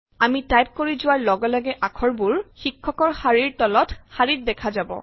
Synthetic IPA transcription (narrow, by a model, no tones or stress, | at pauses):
amitajp̚koɹizʊwaɹlɔɡɔlɔɡɛʔakʰɔɹbuɹxikʰːɔkɔɹxaɹiɹtɔlɔtxaɹit̚dɛkʰazabɔ̰